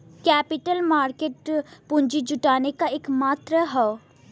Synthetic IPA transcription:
kɛːpɪʈəlmaːɾkeʈpʊɲd͡ʒid͡ʒʊʈaːnekaekmaːt̪ɾəɦɛo

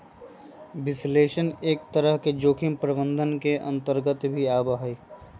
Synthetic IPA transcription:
ʋɪsleːʃəneːk̚t̪əɾəɦked͡ʒoːkʰɪmpɾəbə̃nd̪ʱənkeʔɐ̰̃nt̪əɾɡət̪bʱiaːbaɦiː

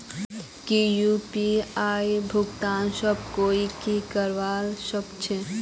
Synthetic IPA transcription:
kijupiaːjbʱʊɡt̪aːnsəb̚koːikikəɾʋaːlsəkt͡ʃʰe

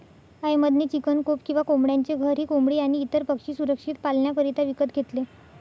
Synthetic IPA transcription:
əjməd̪niːt͡ɕikənkopkĩw̃ʋakomɽjaɲt͡ɕeɡʱəɾɦiːkombɽiːaɽ̃iːt̪əɾpəkʂiːsuɾəkʂit̪palɳjakəɾit̪aʋikət̪ɡʱet̪le

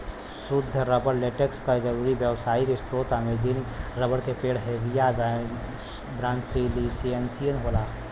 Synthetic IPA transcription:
sʊd̪ʱːəɾəbəɽleʈekskad͡ʒɐɾuːɾiʋjəʋsaːikest̪ɾoːt̪amẽd͡ʒinɾəbəɽkepeːɽɦeːʋija | bɾãːnsilisiensijənɦoːlaː

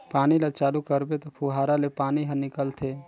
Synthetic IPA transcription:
paːnilət͡ʃaːlukəɾbet̪ɔpʰuɦaɾalepaːniɦə̃nɪkəlt̪ʰe

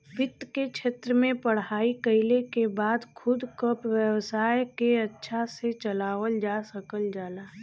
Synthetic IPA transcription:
ʋɪt̪ːkekt͡ʃʰeːt̪ɾəmẽpəɽ̤ɦaːikəɪlekebaːd̪kʰʊd̪kəpʋjəwsaːjkeɐtːʃʰaset͡ʃəlaːʋəld͡ʒaːsəkəld͡ʒaːlaː

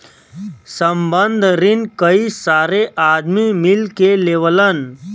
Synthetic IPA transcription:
səmbənd̪ʱɾɪnkəisaːɾeʔaːd̪mimɪlkeleːʋələn

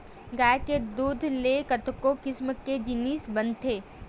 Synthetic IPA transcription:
ɡaːked̪uːd̪ʱlekət̪kokɪsməkːed͡ʒɪniːsbənt̪ʰeː

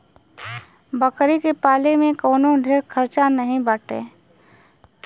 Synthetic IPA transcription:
bəkɾikepaːlemẽkoːnõɖʱeːɾkʰəɾt͡ʃanəɦĩbəʈḛː

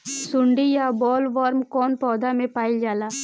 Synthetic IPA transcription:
suɳɖijabɔːlʋaːɾmkoːnpɔːd̪amepaːjld͡ʒala

